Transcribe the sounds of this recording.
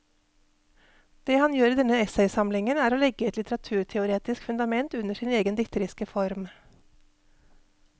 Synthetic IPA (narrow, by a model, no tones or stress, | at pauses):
d̪̥eːhɑnjøːɾiːd̪ɛnəɛsɛɪsɑmlɪŋənæːɾoːlɛɡəɛt̪lɪt̪əɾɑt̪ʰʉːɾʈʰɛʊɾeːt̪ɪskfʉnd̪ɑmɛnt̪ʉnəʃiːneːɡənd̪ɪt̪ʰəɾɪskəfɔɾm